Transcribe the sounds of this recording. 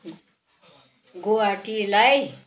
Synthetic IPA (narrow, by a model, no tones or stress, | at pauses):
ɡoaʈilaj